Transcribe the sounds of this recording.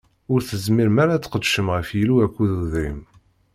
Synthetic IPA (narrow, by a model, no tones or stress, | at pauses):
ʊɾθəzmiɾmæɾat͡sːqəd̪ʃəmʁəfjiluækʷːuðuðɾim